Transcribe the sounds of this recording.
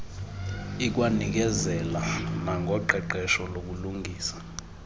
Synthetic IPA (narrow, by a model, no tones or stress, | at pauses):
ik̬ʼwanik̬ɛzɛlanaŋɡʱɔǃʱɛǃɛʃɔlok̬uluŋɡʱiːsḁ